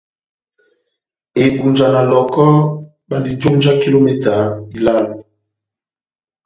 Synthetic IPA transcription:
e˨bu˨nd͡ʒa˨na˨lɔ˨kɔ˦ | ba˦ndi˨d͡ʒo˦nd͡ʒa˦ki˦lo˦mɛ˦˨ta˨i˨la˦lo˨

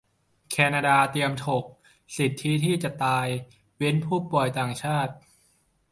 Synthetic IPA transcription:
kʰɛː˧naː˧daː˧t̪i˧əmt̪ʰo˨˩k̚ | si˨˩t̪ʰːi˦˥t̪ʰiː˥˩t͡ɕa˨˩t̪aː˧j | we˦˥npʰuː˥˩pːu˨˩jt̪aː˨˩ŋt͡ɕʰaː˥˩t̪̚

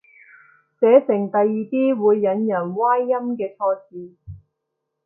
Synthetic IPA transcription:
t͡sɛː˨˥sɪ˨˩ŋt̪ɐ˨jːiː˨˧t̪iː˥wuː˨˧jːɐ˨˧˥njɐ˨˩nwaː˥jːɐ˥mkɛː˧t͡sʰɔː˧t͡siː˨˧

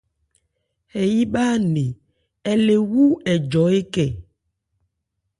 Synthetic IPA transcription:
hɛ˨ji˦ɓaː˦ne˨ | ɛ˨le˨wu˦ɛ˨d͡ʒɔ˨˦e˦kɛ˦˨

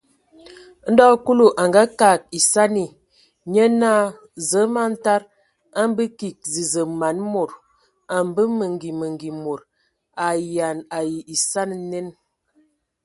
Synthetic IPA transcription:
n̩˦dɔ˦ku˦lu˨ʔa˨ŋɡa˦ka˨k̚i˨sa˦ni˨ | ɲə˦naː˦˨ | zə˨˦ma˦n̩˦ta˦ɾ | a˦m˦bə˦ki˨k̚zi˨zə˨ma˨˦nmo˨ɾ | a˨m˦bə˦mə˨ŋɡi˨mə˨ŋɡi˨mo˨ɾ | a˨ja˨na˨ji˨i˨sa˦n˨ne˦n

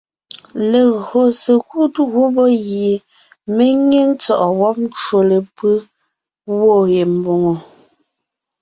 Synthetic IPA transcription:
le˨ɣo˨se˨ku˦tu˦ɣu˦bɔ˦ɣje˨ | me˦ŋe˦ŋt͡sɔ˨ʔɔ˨wɔ˦p̚n̩˦t͡ʃwo˨le˨pɯ˦ | wo˦˨ɣe˨m̩˨bo˨ŋo˨

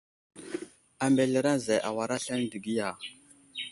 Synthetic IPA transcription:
a˨mbe˨ɬe˨ɾa˦n˨za˨ʔa˨wa˨ɾa˦ɬa˦n˦di˨ɡi˦ja˨

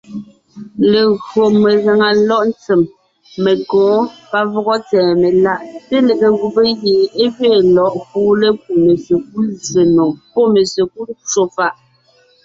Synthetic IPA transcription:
le˨ɣo˨me˨ɣa˨ŋa˨lɔ˦ʔn̩˦t͡si˨mː | e˨kɔ̃ː˨˦pa˦vɔ˦ɣɔ˦t͡sɛː˨me˨la˦ʔte˦le˨ɣe˨ɣu˨be˦je˨e˦ɣɥe˦˨lɔ˨ʔkuː˦le˦k̚u˨me˨se˨ku˦lze˨no˨ŋpɔ˦me˨se˨ku˦t͡ʃo˨fa˦ʔ

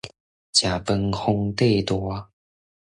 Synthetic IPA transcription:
t͡ɕja˨˩pə˧ŋxʊ˧ŋt̪e˥˧˨t̪wɔ˥˦

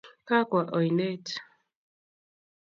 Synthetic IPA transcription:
ka˦kwa˨ʔɔ˨jne˦t

